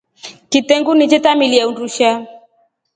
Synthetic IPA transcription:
kitɛŋɡunɪt͡ʃetamiliaunduʃa

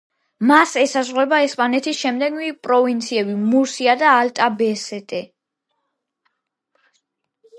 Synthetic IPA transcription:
masɛsazʁwɛbaɛspʼanɛt̪ʰisʃɛmd̪ɛɡmipʼɾɔvint̪sʰiɛbimuɾsiad̪aːlt̪ʼabɛsɛt̪ʼɛ

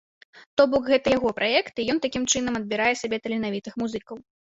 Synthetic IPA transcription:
t̪ɔbɔkɣɛt̪ɐjaɣɔpɾʔajɛkt̪ijɔnt̪akʲimt͡ʂɨn̪ɐmɐd̪̚bʲiɾajɛsʲabʲɛt̪ɐlʲinavʲit̪ɨxmuzɨkɐw

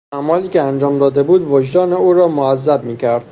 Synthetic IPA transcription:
æmɒːliːkʲʰeænd͡ʒɒːmd̪ɒːd̪e̞buːd̪vod͡ʒd̪ɒːneuːɾɒːmoæzːæb̚miːcʰæɾd̪̥

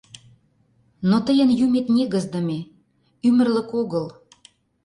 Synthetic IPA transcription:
not̪əjənjumet̪nʲeɣə̆zd̪əme | ymə̆rlə̆koɣəl

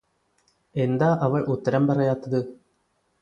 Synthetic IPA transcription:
ɛnd̪aːʔɐʋɐɭʔʊt̪ːɐɾɐmpɐrɐjaːt̪ːɐðɯ

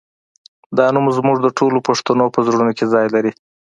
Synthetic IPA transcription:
d̪ɑnumzmuʐd̪əʈʰolopaʂt̪anopəzɽunokʰezɑjlaɾi

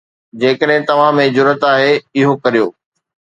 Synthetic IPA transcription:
d͡ʑeːkəɗɦɪ̃t̪ɐʋ̤ãmẽd͡ʑʊɾət̪aːɦeɪɦokɐɾijo̰ː

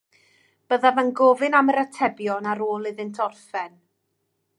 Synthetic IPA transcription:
b̥əðavanɡɔːvɨnaməɾətʰɛbjɔnaɾoːlˠɪðɨntʰɔrfɛn

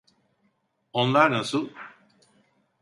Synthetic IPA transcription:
onlˠaɾnasɯlˠ

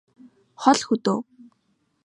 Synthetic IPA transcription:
χɔɮxɵt̪oː

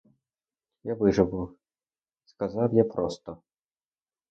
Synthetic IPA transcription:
javɨʐɐvuw | skazawjapɾɔst̪ɔ

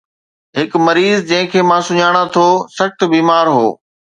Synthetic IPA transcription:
ɦɪkmɐɾiːzd͡ʑɐ̃ɦɪ̃kʰeːmãːsʊɲaːɽ̃at̪ʰoːsɐxt̪̆biːmaːɾɦo̰ː

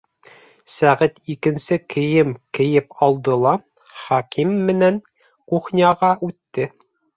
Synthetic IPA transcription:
sæʁɘt̪ikɘ̆nsɘkʰɘ̆jɘmkɘ̆jɘpɑlˠd̪ɤ̆lˠɑ | χɑkimːɘ̆næŋ | quχnʲiɑʁɑʔʉt̪ːɘ

